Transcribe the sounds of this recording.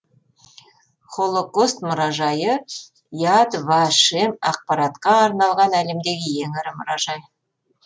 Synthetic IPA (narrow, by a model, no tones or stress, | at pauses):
χo̞lˠokost̪mʊɾɑʒɑjə | jad̪vɑʃemɑ̰q̚pɑɾɑt̪qɑːɾnɑlˠʁɑnæle̞md̪e̞ɡʲɪje̞ŋɪɾɪmʊ̰ɾɑʒɑj